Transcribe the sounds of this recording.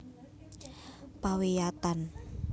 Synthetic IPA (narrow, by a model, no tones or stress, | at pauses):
pawejat̪an